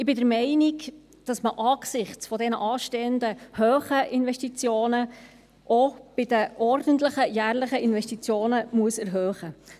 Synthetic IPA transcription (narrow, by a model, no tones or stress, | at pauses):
ɪbɪdəɾmɛɪnik | d̥ɑsməʔɑksɪχt͡sfɔdɛnəʔɑːʃteːənd̪əhøːχəʔɪnvɛʃtit͡sjoːnə | ʔob̥ɪdəʔɔɾdənt̪ləχəjæːɾləχəʔɪnvɛʃtit͡sjoːnəmuəsɛɾɦøːχə